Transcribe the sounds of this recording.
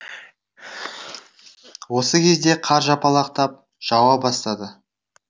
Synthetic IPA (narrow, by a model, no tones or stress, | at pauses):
wo̞səkʲʰe̞zd̪e̞qʰɑɾʒɑpɑlˠɑq̚t̪ɑp̚ | ʒ̥ɑwɑp̚bɑst̪ɑd̪ə